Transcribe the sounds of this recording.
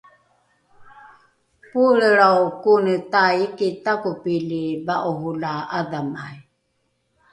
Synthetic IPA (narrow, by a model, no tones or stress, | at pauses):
puɺəɺaukunit̪aikitakupilibaʔɔɦulaadamai